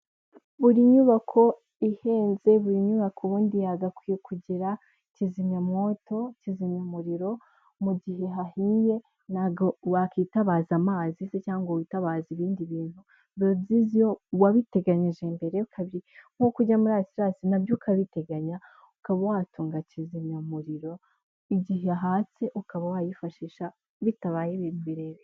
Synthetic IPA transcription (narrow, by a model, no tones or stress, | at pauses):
βuɾiɲuβakʰo̞ | ihe̞ːnze̞βuɾiɲuβakʰoβuːndijaɡakwijekʰuɟiɾa | cizimɲamo̞to̞cizimɲamuɾiɾo̞ | muɟiɦe̞ɦahije̞ | naɡo̞wakitaβazamaːzisecaːŋɡowitaβaːziβiːndiβiːn̥hu | βozizijowaβite̞ɡaɲiʒe̞mbe̞ɾeukʰaβiɾiŋ̥hokuɟamuɾaːjosiɾasinabjukʰaβite̞ɡaɲa | ukaβawatuːŋɡacizimɲamuɾiɾo̞ | iɟiɦeɦat͡seʔukaβawajifaʃiʃa | βitaβaːjeβinuβiɾeɾe